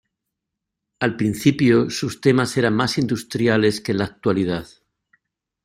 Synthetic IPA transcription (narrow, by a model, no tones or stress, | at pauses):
alpɾin̟θipjosust̪e̞mase̞ɾammasind̪ust̪ɾjale̞ske̞nlak̚t̪walið̞að